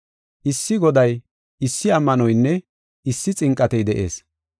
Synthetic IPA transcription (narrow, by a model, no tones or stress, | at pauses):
ʔɪsːɪɡɔd̪ɐj | ɪsːɪɐmːɐnɔjnːɛ | ɪsːɪt͡sʼɪŋkʼːɐt̪ɛjd̪ɛʔe̞̰ːs